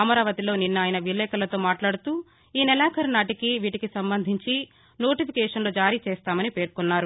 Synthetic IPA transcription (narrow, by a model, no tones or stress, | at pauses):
ɐmɐɾaːʋɐt̪ilo̞ːninːaːjɐnɐʋilːɛːkɐlɐt̪o̞ːmaːʈlaːɽut̪uː | iːnɛlaːkɐɾnaːʈikiʋiːʈikisɐmbɐnd̪ʱiɲt͡ʃi | no̞ːʈipʰikɛːʂɐnlo̞ːd͡ʒaːɾit͡ʃɛːst̪aːmɐnipe̞ːɾkunːaːɾu